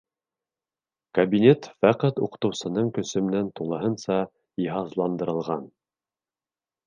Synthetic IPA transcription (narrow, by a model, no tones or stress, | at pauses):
kɐbʲinʲet̪fæqæt̪ṵqɤ̥̆t̪ɤ̆wsɤ̆nɤɴkɵ̆sɘ̆mɘ̆nænt̪uɴlˠɤ̆ɦɤnsɑ | iɦɑzlˠɑnd̪ɤ̆ɾɤ̆lˠʁɑn